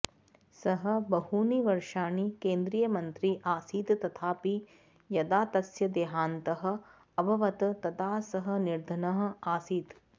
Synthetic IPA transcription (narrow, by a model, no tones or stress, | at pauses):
sɐɦɐ̆bɐɦuːniʋɐɾʃaːnikeːnd̪ɾiːjɐmɐnt̪ɾiʔaːsiːt̪t̪ɐt̪ʰaːpi | jɐd̪aːt̪ɐsjɐd̪eːɦaːnt̪ɐɦɐ̆ | ɐbʱɐʋɐt̪t̪ɐt̪aːsɐɦɐ̆niɾd̪ʱɐnɐɦɐ̆aːsiːt̪